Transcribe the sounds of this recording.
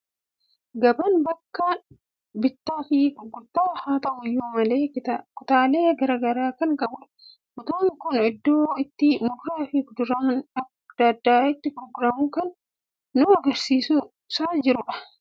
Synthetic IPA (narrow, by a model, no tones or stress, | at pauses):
ɡɐbɐnbɐkːɐ | bɪt̪ːafiːkɡʊt̪ːaːhaːt̪ɐʔʊjoːmɐleːkɪt̪ɐkʊt̪aːleːɡɐɾɐɡɐɾaːkɐnkɐbʊᶑ | kʊt̪oːnɪkʊnɪd̪ːoːɪt̪ːɪmʊɾkaːfiːkd̪ʊɾɐmʊnɐk | d̪̥ɐd̪ːaːɪt̪ːɪpɾɔɡɾaːmʊkɐnː | ʊɐɡɐɾsiːsʊ | saːd͡ʒɪɾʊᶑɐ̥